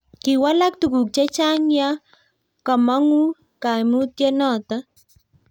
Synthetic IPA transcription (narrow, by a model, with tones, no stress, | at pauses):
ki˨wa˦la˦k̚tu˨ku˨k̚t͡ʃe˦t͡ʃa˦ŋja˦ | ka˨ma˦ŋu˦ | ka˨jmu˦t̪̚je˦nɔ˨ta